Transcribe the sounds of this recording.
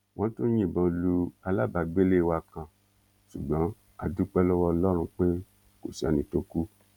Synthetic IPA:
w̃ɔ̃˦to˦ɲ̃ĩ˦˨bɔ̃˧˨lu˧a˧la˦˨ba˨˧ɡ͡be˦le˦˨wa˧kã˧ | ʃu˨ɡ͡bɔ̃˨˦ | a˧du˦k͡pɛ˦lɔ˦wɔ˧lɔ˦ɾ̃ũ˧k͡pe˦ | ko̰˨si˨a̰˨nĩ˧˨to˦ku˦

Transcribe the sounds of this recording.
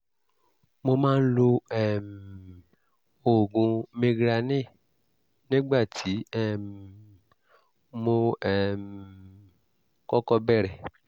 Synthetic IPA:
mo˧mãː˦n̩˦lo˧ɛ˦˨m | o˨ɡũ˧mẽ˧ɡɾa˧nĩ˦˨ | nĩ˦ɡ͡ba˦˨tʰi˨˦ɛ˦˨m | mo˧ɛ˦˨m | kɔ˦kɔ˧bɛ˦˨ɾɛ˨

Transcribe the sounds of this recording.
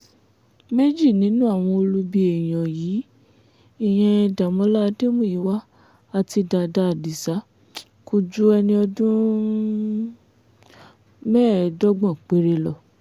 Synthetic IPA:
me˦d͡ʒi˦˨nĩ˨˦nũ˦a˦˨w̃ɔ̃˧o˧lu˧bi˧˦e˨j̃ã˨jiː˨˦ | i˦˨j̃ɛ̃˧da˨mɔ̃˧˦la˦˧de˦mũ˦˨ji˨˦wa˦ | a˧ti˧da˧da˧a˨di˨sa˨˦ | ku˧d͡ʒu˦ɛ˧nĩ˧ɔ˧dũ˦ | mɛː˦˨dɔ˦ɡ͡bɔ̃˦˨k͡pe˨˦ɾe˧lɔ˦˨

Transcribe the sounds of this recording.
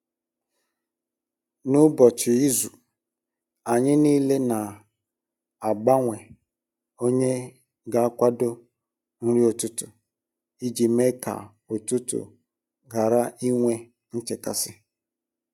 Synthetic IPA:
nʊ˦bɔ˨t͡ʃɪ˨i˦zu˨ | a˨ɲɪ˦niː˦le˦na˨ | a˨ɡ͡ba˦ŋʷe˨ | o˦ɲe˦ | ɡa˨a˦kʷa˦do˦ | n̩˦ɾi˦o˨tʊ˦tʊ˨ | i˦d͡ʒi˨me˦ka̰˨ | o˨tʊ˦tʊ̰˨ | ɡa˨ɾa˦i˦ŋʷe˦ | n̩˦t͡ʃɪ˨ka̰˨sɪ˦

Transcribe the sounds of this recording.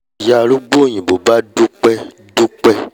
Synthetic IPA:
ja˨lu˦ɡ͡bo˦˨ɲĩ˨bo˨ba˦ɖu˦k͡pɛ˦ | ɖu˦k͡pɛ˦

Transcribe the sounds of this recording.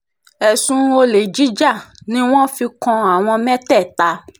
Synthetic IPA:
ɛ˨sũ˧˦o˧le˨d͡ʒi˨˦d͡ʒa˦˨nĩ˨˦w̃ɔ̃˦fi˧kɔ̃˧a˨w̃ɔ̃˧mɛ̃˦tɛ˦˨ta˧

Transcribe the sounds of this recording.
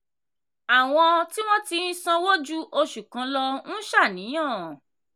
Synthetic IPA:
a˨w̃ɔ̃˧ti˦w̃ɔ̃˦ti˧n̩˦sã˧wo˦d͡ʒu˦ʔo˧ʃu˨kã˧˦lɔ˧n̩˦ʃa˦˨nĩ˨˦j̃ã˦˨

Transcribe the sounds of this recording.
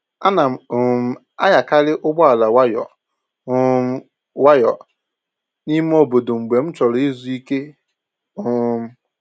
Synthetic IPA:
a˦na˨ | a̰˦ja˨ka˦ɾɪ˦ʔʊ˦ɡ͡bɔ˦a˨la˨wa˦jɔ̰˨˦ | wa˦jɔ˨ | ni˦m˦o˦bo˨do˨ŋ͡m̩˨ɡ͡be˨m̩˦t͡ʃɔ˨ɾɔ˨i˦zu˨i˦ke˦ | ʊ˦m̩˦

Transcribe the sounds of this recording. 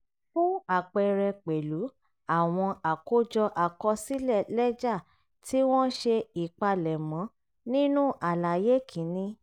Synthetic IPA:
fũ˦a˦˨k͡pɛ˧ɾɛ˧k͡pe˨lu˨˦ | a˦˨w̃ɔ̃˧a˨ko˦d͡ʒɔ˧ʔa˨kɔ˧si˦lɛ˦˨lɛ˦d͡ʒa˦˨ | tʰi˦w̃ɔ̃˦ʃe˧i˨k͡pa˧lɛ˨mɔ̃˨˦ | nĩ˦nũ˦ʔa˨la˨je˦kʰĩ˨˦nĩ˧

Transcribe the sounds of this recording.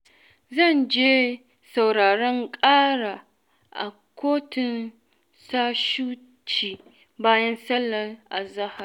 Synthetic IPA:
zɐ˦˨nd͡ʒeː˦ | sa˨wɽaː˨ɽɔ˦ŋkʼaː˦ɽa˨ | ʔa̰˨ | kʷʰoː˦tɪ˨n | saː˦ʃuː˦ | t͡ʃiː˨ | baː˦jɐ˦nsɐ˦lːɐ˨ʔa̰˨zɐ˦ha˨r

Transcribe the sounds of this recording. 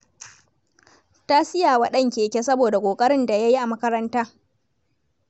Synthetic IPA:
ta˦sɪ˦jaː˨wa˨ɗɐ˦˨ŋkʲeː˨kʲe˦sɐ˦boː˨da˨kʷʼoː˨kʼɐ˦ɽɪ˦nda˨ja˦ji˦ʔa˨mɐ˦kɐ˦ɾɐ˦ntaː˦

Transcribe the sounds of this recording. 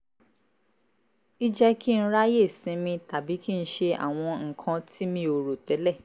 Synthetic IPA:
i˦d͡ʒɛ˦ki˦ñ̩˦ɾa˦je˦˨sĩ˨˦mĩ˧ta˨bi˨˦ki˦n̩˦ʃe˧a̰˨w̃ɔ̃˧ŋ̩˨kʰã˧tʰi˦mĩ˧o˨ɾo˨tɛ˨˦lɛ˦˨

